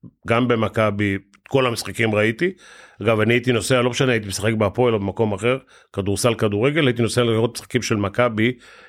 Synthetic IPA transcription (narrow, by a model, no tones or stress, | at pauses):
ɡambe̞makabi | ko̞lamisχakimʁait̪iaɡavaniaitino̞sealo̞pʃaneait̪̬imesaχe̞kbeapoelobemako̞maχe̞ʁ | kad̪uʁsalkaduʁe̞ɡelait̪̬ino̞sealeaʁot̪mi̥sχḁkimʃe̞lmakabi